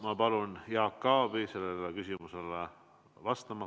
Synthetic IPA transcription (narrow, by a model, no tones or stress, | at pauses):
mɑpɑlunjɑːkːɑːbise̞lːelekysʲimusele | vɑst̪ɑmɑ